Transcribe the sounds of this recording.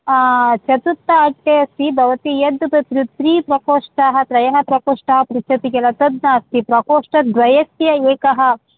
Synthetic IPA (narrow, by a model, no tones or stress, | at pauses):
t͡ʃɐt̪ut̪ːɐːʈːeɐst̪ibʱɐʋɐt̪ijɐd̪pɐt̪ɾut̪ɾiːpɾɐkoːʂʈaːɦɐ̆t̪ɾɐjɐɦɐpɾɐkoːʂʈɐɦɐpɾit͡ʃʰɐt̪ikɐlɐt̪ɐd̪naːst̪ipɾɐkoːʂʈɐd̪ʋɐjɐsjɐeːkɐɦɐ̆